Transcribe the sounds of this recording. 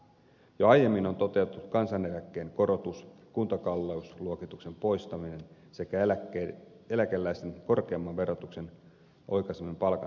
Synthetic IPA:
joɑjje̞mːino̞nt̪o̞t̪e̞ut̪ːˑukɑnsɑne̞lækːe̞ːŋko̞ɾo̞t̪uskunt̪ɑkɑlːeusluokit̪ukse̞mpo̞jst̪ɑmine̞n | se̞kææ | e̞lækelːæjst̪eŋko̞rke̞ɑmːɑnʋe̞ɾot̪ukse̞n | ʔo̞jkɑsemːimpɑlkɑ̰

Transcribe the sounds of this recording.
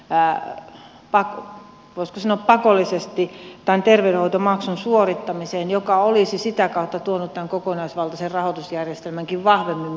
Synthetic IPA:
pɑk | ʋoiskosɑnoˑːppɑkolːˑisest̪it̪ænt̪erʋeyɾehoit̪omɑksunsuorit̪ːɑmiseːnjokɑolisisit̪ækɑut̪ːɑt̪uonut̪t̪æŋkokonɑisʋɑlt̪ɑserrɑhot̪usjærjest̪elmæŋkiʋʋɑhʋemːim

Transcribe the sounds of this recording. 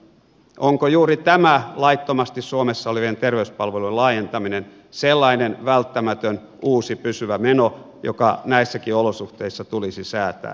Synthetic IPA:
ʔoŋkojuːɾit̪æmælɑit̪ːomɑst̪issuomesːɑoleʋient̪erʋeyspɑlʋelulɑːjent̪ɑminen | selːɑinenʋælt̪ːæmæt̪øn | uːsipysyʋæmeno | jo̰kɑnæisːækiolosuht̪eisːɑt̪ulisisæːt̪æ̰ː

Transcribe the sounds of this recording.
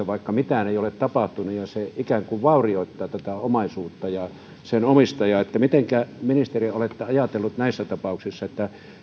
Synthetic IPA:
ɑʋɑikːɑmit̪æneˑijolet̪t̪ɑpɑht̪unujɑseikæŋkuʋʋɑˑurioˑit̪ːɑːt̪æt̪æomɑisuːt̪ːɑjɑ | senomist̪ɑjɑet̪ːæmit̪eŋkæminist̪eriolet̪ːeɑjɑt̪elːut̪næisːæt̪ɑpɑˑuksisːɑet̪ːæ

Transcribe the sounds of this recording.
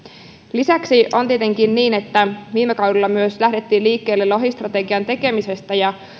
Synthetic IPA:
lisæksio̞nt̪iet̪eŋkinniːne̞t̪ːæʋiːmekɑwdilːɑmyøslæhde̞t̪ːiːliːkːe̞ːlːeloɦist̪rɑt̪e̞ɡiɑnt̪e̞ke̞mise̞st̪æjɑ

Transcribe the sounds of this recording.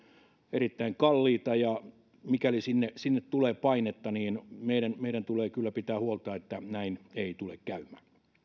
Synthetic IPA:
erit̪ːæiŋkɑlːiːt̪ɑjɑ | mikælisinːesinːet̪t̪uleːpɑinet̪ːɑniːnmeiɾænmeiɾænt̪uleːkylːæpit̪æːhuolt̪ɑːet̪ːænæineit̪ulekkæymæː

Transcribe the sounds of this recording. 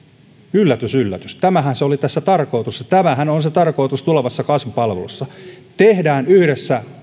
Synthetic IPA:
ylːæt̪ysylːæt̪yst̪æmæhænseolit̪æsːæt̪ɑrko̞it̪usɑt̪æmæhænonset̪ɑrko̞it̪ust̪uleʋɑsːɑkɑnsupɑlʋelusːɑ | t̪ehdæːnyhɾesːæ

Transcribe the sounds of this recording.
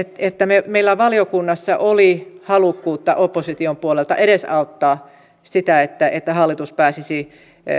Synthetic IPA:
et̪et̪ːæmemeilːæʋɑliokunːɑsːɑʔolihɑlukːuːt̪ːɑ̰ʔopːosit̪iompuolelt̪ɑ̰ʔeɾesɑut̪ːɑː | sit̪æet̪ːæʔet̪ːæhɑlːit̪uspæːsisi

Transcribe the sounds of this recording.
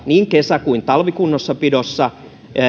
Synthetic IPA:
niːŋkesækuint̪ɑlʋikunːosːɑpidosːɑ

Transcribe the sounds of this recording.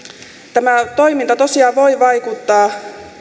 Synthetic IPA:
t̪æmæt̪o̞imint̪ɑt̪o̞siɑːʋo̞iʋɑjkut̪ːɑː

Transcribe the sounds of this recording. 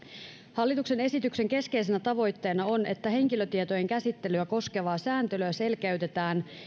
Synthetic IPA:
hɑlːit̪ukse̞ne̞sit̪ykse̞ŋke̞ske̞js̬enæt̪ɑʋo̞jt̪ːe̞ːnɑo̞ne̞t̪ːæɦe̞ŋkiløt̪iet̪o̞je̞ŋkæsit̪ːe̞lyæko̞ske̞ʋɑːsæːnt̪ølyæse̞lkæɥt̪e̞t̪æːn

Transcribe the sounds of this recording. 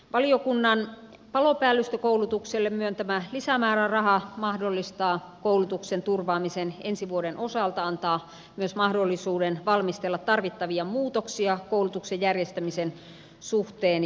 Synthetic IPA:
ʋɑliokunːɑn | pɑlopæːlːyst̪økoulut̪ukselːemmyønt̪æmælisæmæːrærɑhɑmɑhdolːist̪ɑː | koulut̪uksent̪urʋɑːmisenensiʋuodenʔosɑlt̪ɑɑnt̪ɑː | myøsmɑhdolːisuːdenʋɑlmist̪elːɑt̪t̪ɑrʋit̪ːɑʋiɑmuːt̪oksiɑkoulut̪uksejjærjest̪æmisen | suht̪eːn

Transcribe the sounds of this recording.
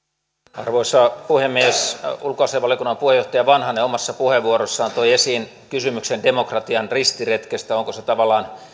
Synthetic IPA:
ɑ̰rʋoisɑpuhemːiesulkoɑseʋʋɑljokunːɑmpuhejoht̪ɑjɑʋɑnhɑneomɑsːɑpuheʋːuoɾosːɑːnt̪oiesiːn | kysymyksendemokrɑt̪iɑnrist̪iret̪kest̪æoŋkoset̪ɑʋɑlːˑɑːn

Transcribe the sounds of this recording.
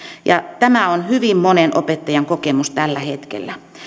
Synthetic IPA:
jɑt̪æmæonhyʋimmonenʔo̰pet̪ːɑjɑŋkokemust̪ælːæhet̪kḛlːæ

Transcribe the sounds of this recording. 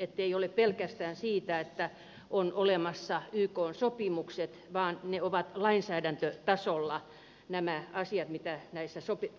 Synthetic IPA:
et̪ːeioleppelkæst̪æːnsiːt̪æet̪ːæ | ʔonolemɑsːɑyːkoːnsopimukset̪ʋɑːnneoʋɑt̪lɑinsæːdænt̪øt̪ɑsolːɑ | næmæɑsiɑt̪mit̪ænæisːæsopi

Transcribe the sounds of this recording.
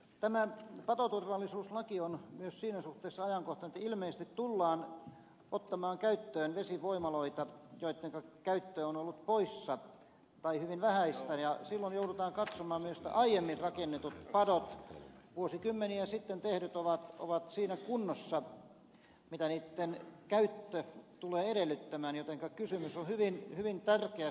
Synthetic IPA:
t̪æmæpɑt̪ot̪urʋɑlːisuːslɑkionmyøssiːnæsuht̪ˑeːsːɑɑjɑŋkoht̪ɑnĕt̪ilmeisest̪it̪t̪ulːɑːn | ot̪ːɑmɑːŋkæyt̪ːøːnʋesiʋoimɑloit̪ɑjoit̪ːeŋkɑkæyt̪ːøːonolːut̪poisːɑ | t̪ɑihyʋinʋæhæist̪æjɑsilːonjoudut̪ɑːŋkɑt̪somɑːmmyøst̪æ̰ʔɑijemːirrɑkenːet̪ut̪pɑdot̪ʋuosikymːeniɑsit̪ːent̪ehɾyt̪oʋɑt̪o̰ʋɑt̪siːnækunːosːɑ | mit̪æniːt̪ːenkæyt̪ːøt̪uleːeɾelːˑyt̪ːæmæːnjot̪eŋkɑkysymysonhyʋinhyʋint̪ærkeæ

